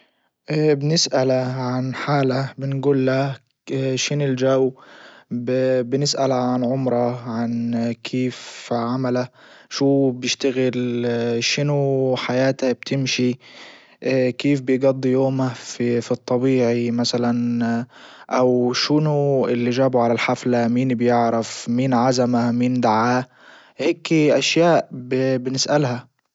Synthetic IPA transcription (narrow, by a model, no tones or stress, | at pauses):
ʔbnɪsʔalaʕanħaːlabɪnɡuːlːa | ʃɪnɪld͡ʒaː | bbɪnɪsʔalaʕanʕʊmɾˤɑʕankʰeːfʕamalaʃuːbjɪʃt̪aɣɪlʃɪnuħajaːt̪ab̚t̪ʰɪmʃi | kiːfbɪjɡɑd̪ˤːijoːmafifit̪ˤːɑbiːʕimasalan | ʔawʃɪnuʔɪlːiʒaːbʊʕalalħaflamiːnbjɪʕɾɪfmiːnʕazamamiːnd̪aʕaː | heːkːʔaʃjaːʔbbɪnɪsʔalha